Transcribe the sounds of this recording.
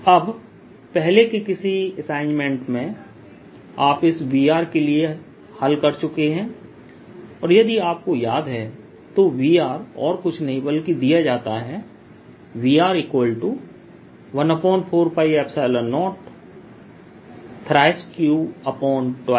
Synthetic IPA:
ɐb | pɛɦlekikɪsiɐsãːɪnmẽɳʈmẽ | aːpɪsʋiːaːɾkelie | hɐlkɐɾt͡ʃʊkeɦɛ̃ː | ɔːɾjɐd̪iaːp̚kojaːd̪ɦɛ | t̪oʋiːaːɾɔːɾkʊt͡ʃʰnɐɦĩbɐlkid̪ijad͡ʒaːt̪aɦɛ | ʋiːaːɾiːkwəlʈu | ʋɐ̃nɐpɔ̃ːnpʰoːɾpʰaːɪʋɛːpsaːɪlənɔːʈ | t̪ʰɾaːɪskjuːɐpɔːnʈa

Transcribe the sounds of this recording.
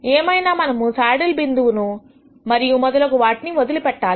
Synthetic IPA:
eːmɐjnaːmɐnɐmusaːɽɐlbind̪uʋunu | mɐɾijumɐðɐlɐɣɯʋaːʈniʋɐd̪ɯlipɛʈːaːl

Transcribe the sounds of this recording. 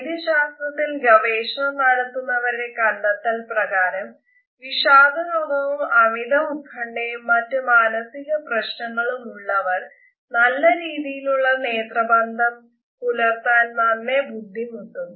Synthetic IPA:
id̪ɐɕaːst̪rɐt̪ːilɡɐʋeːɕɐnɐmnɐɽɐt̪ːunːɐʋɐɾuɽe̞kɐɳɖɐt̪ːɐlprɐɣaːɾɐm | ʋiɕaːd̪ʱɐnobɐʋumɐmid̪ɐmukʰːɐɳɖejmːɐtːɨmaːnɐsiɣɐprɐɕnɐŋːɐɭumuɭːɐʋɐr | nɐlːɐɾiːðijiluɭːɐne̞ːt̪rɐbɐnd̪ʱɐm | pulɐrt̪ːaːnmɐnːebud̪ʱːimunːunːu

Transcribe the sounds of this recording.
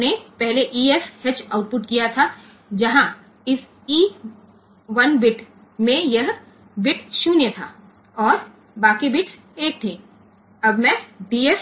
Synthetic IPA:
nepɛɦleʔiːeshet͡ʃaːʊʈ̚pʊʈkijat̪ʰa | d͡ʒɐɦã | ɪs | iː | ʋɐnʋɪʈ | mẽjɐɦ | ʋɪʈʃuːnjət̪ʰaː | ɔːɾ | baːkebɪʈʰ | eːk̚t̪ʰeː | ɐbmɛ̃ɖiːes

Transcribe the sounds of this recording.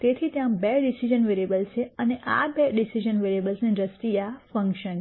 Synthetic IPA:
t̪et̪ʰit̪jãbeɖisid͡ʒənʋeɾebəlt͡ʃʰeəneʔa̰beɖisiʒənʋeɾebəlsneɾəst̪ijafə̃ŋkʃən

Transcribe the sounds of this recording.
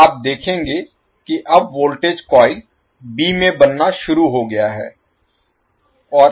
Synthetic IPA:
aːp̚d̪eːkʰẽːŋɡe | kiʔɐbʋoːlʈeːd͡ʒkɔːi | biːmẽbɐnːaʃʊɾuɦoɡɐjaɦɛ̰ː | ɔː

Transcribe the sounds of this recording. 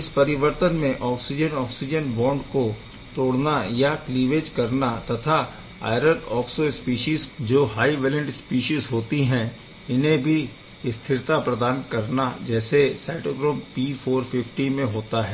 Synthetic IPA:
ɪspɐɾɪʋəɾt̪ənmẽʔɔːksɪd͡ʒənɔːksid͡ʒənbɔ̃ːɳɖko | t̪oːɽnajakliːʋeːd͡ʒkɐɾnat̪ɐt̪ʰa | a̰ːɪɾəɖɔːksospiːʃiːzd͡ʒoːɦaːiʋɛːlə̃ɳʈspiːʃiːzɦoːt̪iɦɛ̃ | ɪnɦẽbʱi | ɪst̪ʰɪɾt̪apɾɐd̪aːnkɐɾnad͡ʒɛːsesaːʈoːɡɾoːmpiːfʰoːɾfɪfʈimẽɦoːt̪aɦɛː

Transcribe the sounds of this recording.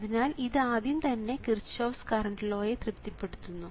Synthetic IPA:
ðinaːliðɨaːðjumt̪ɐnːe̞kirt͡ɕːoːfskɐɾɐɳɖlo̞ːjet̪rɨpt̪jɐpːe̞ɽut̪ːunːu

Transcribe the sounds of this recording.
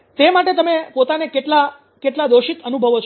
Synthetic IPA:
t̪emaʈet̪əmepot̪anekeʈla | keʈlad̪oʃit̪ənubʱəʋot͡ʃʰ

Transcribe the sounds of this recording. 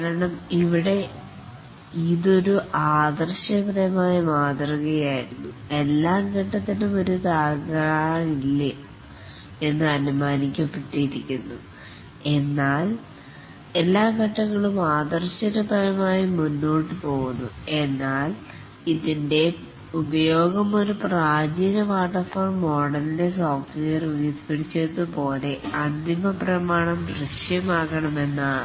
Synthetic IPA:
kaɾɐɳɐmiʋiɽe̞ | iðo̞ɾuʔaːd̪ɐrɕɐprɐjɐmaːjɐmaːd̪rɐɣɐjaːjiɾunːu | e̞lːaːŋɡɐʈːɐt̪ːɐlumo̞ɾut̪aːɣɐɳilːɐ | e̞nːɨɐnumaːnikʲːɐpːe̞ʈːijiɾikʲːunːṵ | e̞nːaːl | e̞lːaːɡɐʈːɐŋːɐɭumaːd̪ɐrɕɐɾubʱɐlɐmaːjimunːo̞ːʈːɨpo̞ːɣunːue̞nːaːl | iðinde̞ | ubɐjo̞ːɡɐmo̞ɾupraːd͡ʑiːnɐʋaːʈːɐfɐoːrmːo̞ːɽɐlile̞soːfʈʋejɐruɣispɐɽit͡ɕːenːɨpo̞ːle̞ɐnd̪imɐprɐmaːɳɐmdrɨʂjɐmaːɣɐɳɐme̞nːaː

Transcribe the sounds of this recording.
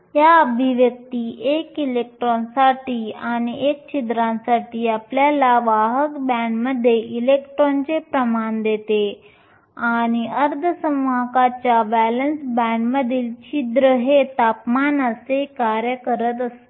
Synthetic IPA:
ɦjaəbʱiʋjək̚t̪iːʔekilek̚ʈɾonsaʈiːañiek̚t͡ɕid̪ɾãnsaʈʰiːapljalaʋaɦəkbɛɳɖməd̪ʱːjeʔilekʈɾont͡sepɾəmand̪et̪e | añiəɾd̪ʱəsəmʋakat͡ɕjabælənsbæɳɖməd̪ʱiːlt͡ɕid̪ɾəɦet̪apmanəsekaɾjəkəɾət̪̬əst̪e

